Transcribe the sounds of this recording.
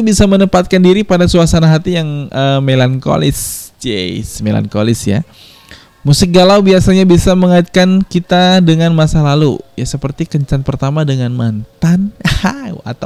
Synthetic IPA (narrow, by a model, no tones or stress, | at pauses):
ubisamənəpat̪̚kandiɾipadasuasanaɦat̪ijaŋʔəmelanko̰lɪ̰sd͡ʒḛsmela̰nkolɪsja̰ | musəɡalawbiasaɲabisaməŋat̪̚kankit̪adəŋanmasalalṵjasəpərt̪ikəɲt͡ʃanpərt̪amadəŋanmant̪anhaa̰t̪a